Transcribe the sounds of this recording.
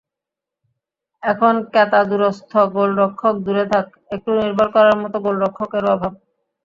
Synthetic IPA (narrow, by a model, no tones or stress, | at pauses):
ɛkʰonkɛt̪ad̪uɾost̪ʰoɡolɾokʰːok̚d̪uɾet̪ʰak̚ | ek̚ʈuniɾbʱoɾkɔɾaɾmɔt̪oɡolɾokʰːokeɾabʱab̚